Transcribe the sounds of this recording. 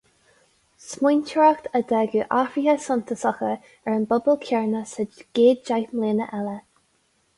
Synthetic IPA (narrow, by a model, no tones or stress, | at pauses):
smujntʰəɹaxt̪ʰəd̪ɛɡuːʔafɹihəsʊnt̪ʰəsɔxə | ɛɹənbʊbəlkʰɛɹnəsəɡ̥eːd̪̚d͡ʒajmleːnəʔɛlə